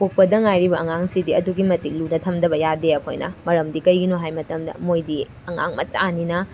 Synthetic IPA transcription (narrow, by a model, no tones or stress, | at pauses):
pok̚pɐdɐŋajɾibɐʔɐŋaŋsidiɐduɡimɐtik̚lunɐtʰɐmdɐbɐjadeɐkʰo̰jnɐ̰mɐɾɐmdikɐjɡinoɦajmɐtɐmdɐ̰mojdi | ɐŋa̰ŋmɐ̰t͡ʃaninɐ